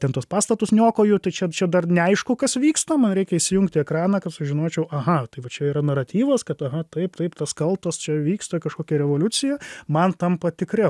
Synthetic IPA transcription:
t̪ʲɛnt̪uɔspɑːst̪ɐt̪ʊsnʲoːkoːjʊt̪ɐɪt͡ʃʲɛt͡ʃʲɛd̪ɐrnʲɛɐɪʃkʊkɐsʋʲiːkst̪oːmɐnɾʲɛɪkʲɛiʃʲsʲɪjʊŋkt̪ʲɪɛkɾɑːnɑːkɐpsʊʒʲɪnoːt͡ʃʲɛʊʔɐɦɐt̪ɐɪʋɐt͡ʃʲɛiːɾɐnɐɾɐt̪ʲiːʋɐskɐt̪ɐɦɐt̪ɐɪpt̪ɐɪpt̪ɐskɐlˠt̪ost͡ʃʲɛʋʲiːkst̪oːkɐʃkoːkʲɛɾʲɛʋoːlʲʊt͡sʲɪjɛmɐnt̪ɐmpɐt̪ʲɪkɾʲɛ

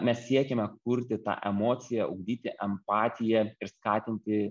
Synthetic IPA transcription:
mʲɛssʲiɛkʲɛmʲɛk̚ʊɾʲt̪ʲɪt̪ɑ̰ːʔɛmoːt̪sʲɪjɛʊɡd̪ʲiːt̪ʲɪʔɛmppɑːt̪ʲɪjɛɪɾskɑːt̪ʲɪnʲt̪ʲɪ

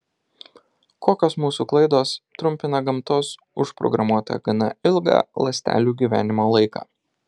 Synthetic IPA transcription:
koːkʲoːsmuːsuklˠɐɪd̪oːst̪ɾʊmʲpʲɪnɐɡɐmt̪oːs | ʊʃpɾɔ̰ɡɾɐmuɔt̪ɐ̰ɡɐnɐɪlˠɡɑ̰ːlˠɐsʲt̪ʲæ̰ːlʲuːɡʲiːʋʲæ̰ːnʲɪmoːlˠɐɪkɑ̰ː

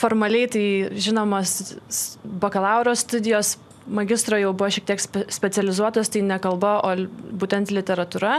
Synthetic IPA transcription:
foːɾmɐlʲɛɪt̪ɐɪʒʲɪnoːmoːs | boːkɐlˠɑˑʊɾoːsʲt̪ʊd̪ʲɪjoːs | mɐɡʲɪst̪ɾoːjɛʊbʊʋoːʃʲɛkt̪ʲiɛksʲpʲsʲpʲɛt͡ssʲɛlʲɪzuɔt̪oːst̪ɐɪnʲɛkɐlˠbɐʔoːbuːt̪ʲɛnt̪lʲɪt̪ʲɛɾɐt̪uɾɐ

